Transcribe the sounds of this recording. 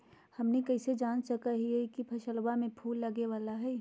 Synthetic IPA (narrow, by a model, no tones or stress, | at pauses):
hɐmnekɐɪsed͡ʒaːnsɐkaɦiɛkipʰɐʃəlwamẽpʰuːlːɐɡeʋaːlaɦɛː